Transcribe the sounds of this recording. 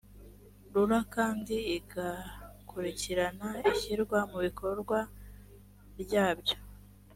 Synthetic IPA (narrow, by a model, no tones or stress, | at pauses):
ɾuɾakaːndiːɡakʰuɾiciɾanaiçiɾɡwamuβikʰo̞ɾɡwa | ɾjaːbɟo̞